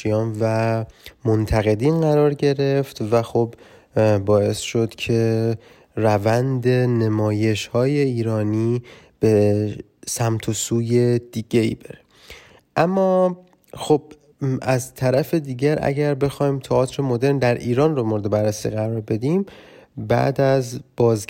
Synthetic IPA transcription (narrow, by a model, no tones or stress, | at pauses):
iɒːnvæmont̪ʰæɣe̞d̪inɢæɾɒːɾɟe̞ɾe̞ft̪væxob | bɒːe̞sʃo̞d̪̥cʰe̞ | rævænd̪e̞ne̞mɒːje̞ʃhɒːje̞iːɾɒːniːb̥e̞ | sæmt̪ʰosuːje̞d̪̥iːɟ̥e̞ḭːbeɾe | ʔæmːɒː | xob̥̚ | æzt̪ʰæɾæfe̞d̪iːɟæɾʔæ̰ɟæɾbe̞xɒːjmt̪ʰɒɒːt̪ʰɾemo̞d̪e̞ɾnd̪æɾʔiːɾɒːnromoɾed̪e̞bærːesḭːɣæɾɒːɾbe̞d̪im | bæ̰d̪æzb̥ɒːz